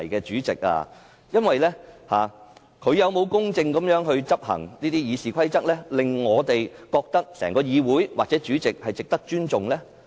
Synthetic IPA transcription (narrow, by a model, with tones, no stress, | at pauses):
jkɛː˧t͡ʃyː˨˥t͡sɪ˨k̚a̰ː˧ | jɐ˥nwɐ˨jlɛː˥haː˨ | kʰɵ˨˧ɥjɐ˨˧wmo˨˧wkʊ˥ŋt͡sɪ˧ŋkɐ˨˥mjœː˨˥ŋɦɵ˧ɥt͡sɐ˥p̚hɐ̰˨˩ŋniː˥t̪iː˥jiː˨˧siː˨kʷʰɐ˥jt͡sɐ˥k̚lɛː˥lɪ˨ŋːɔː˨˧t̪e˨jkɔː˧k̚t̪ɐ˥k̚sɛ̰ː˨˩ŋkɔː˧jiː˨˧wuː˨˥jwʔaː˨t̚t͡sɛː˨˥t͡ʃyː˨˥t͡sɪ˨k̚hɐ˨jt͡sɪ˨k̚t̪ɐ˥k̚t͡ʃyː˥nt͡sʊ˨ŋlɛː˥